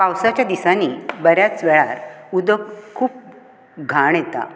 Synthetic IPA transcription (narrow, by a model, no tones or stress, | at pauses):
pawsat͡ɕjad̪isaniːbəɾjat͡sʋɛɭaɾud̪əkkʰːuːp̚ | ɡʱaɳjet̪a̰